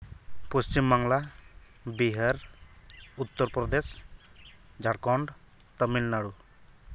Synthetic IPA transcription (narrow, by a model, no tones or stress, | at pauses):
post͡ʃimbaŋla | biɦəɾ | ut̪ːɔɾpɾɔd̪es | d͡ʒaɽkɔɳɖ | t̪əmilnaɽu